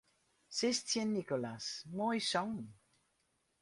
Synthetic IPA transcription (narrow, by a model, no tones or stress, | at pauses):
sest̪ʰjɛ̃nːikolasmojsɔ̃ŋ